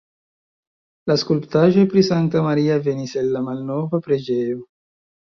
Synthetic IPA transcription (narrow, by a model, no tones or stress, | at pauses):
laskulpt̪aʒepɾisant̪amaɾiaveniselːamalnovapɾed͡ʒeo